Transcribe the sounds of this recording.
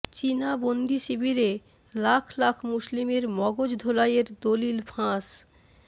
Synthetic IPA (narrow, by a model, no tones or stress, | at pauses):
t͡ɕinabond̪iʃibiɾe | lakʰlakʰmuslimeɾmɔɡod͡ʑd̪ʱolajeɾd̪olilfʰãs